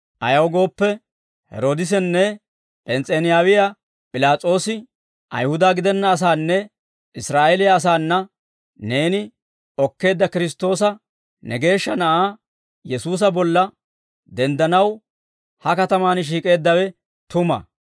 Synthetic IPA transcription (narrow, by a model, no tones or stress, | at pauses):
ʔɐjɐwɡo̞ːpːɛ | hɛ̰ɾo̞ːd̪ɪs̬ɛnːɛ | pʼɛnt͡sʼɛnɪjaːwɪja | pʼɪlaːt͡sʼo̞ːsɪ | ʔɐ̰jhʊd̪aːɡɪd̪ɛnːɐːs̬aːnːɛ | ʔɪsɾaːʔelɪjɐːs̬aːnːɐ | ne̞ːnɪ | ɔkːe̞ːd̪ːɐkɪɾɪs̬t̪ːo̞ːsɐ | nɛɡe̞ːʃːɐnɐʔaː | jɛsuːs̬ɐbɔlːɐ | d̪ɛnd̪ɐnɐw | hɐkɐt̪ɐmaːnʃ̬iːkʼe̞ːd̪ːɐwɛ | t̪ʊmɐ̰